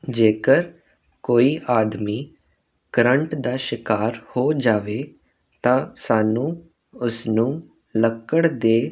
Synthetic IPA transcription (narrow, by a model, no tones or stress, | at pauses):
d͡ʒeːkəɾ | koːiːʔaːd̪miː | kəɾəɳʈd̪aːʃɪkaːɾhoːd͡ʒaːʋeː | t̪ãːsaːnũː | ʊsnũː | ləkːəɽd̪eː